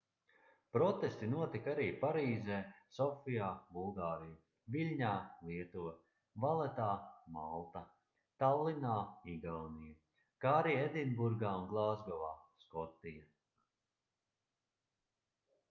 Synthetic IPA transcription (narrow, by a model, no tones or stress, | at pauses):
pɾɔt̪est̪inuɔt̪ikaɾiːpaɾiːzɛːsɔfijaːbulˠɡaːɾija | vilʲɲaːlˠiɛt̪uvɛ | valˠɛt̪aːmalˠt̪a | t̪awlˠinaːiɡawnija | kaːɾijed̪inbuɾɡaːunɡlˠaːzɡɔvaːskɔt̪ija